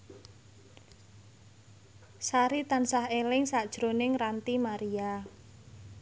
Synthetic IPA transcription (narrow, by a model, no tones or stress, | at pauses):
saɾit̪ansahelɪŋsad̥ʒ̥ɾonɪŋrant̪imaɾia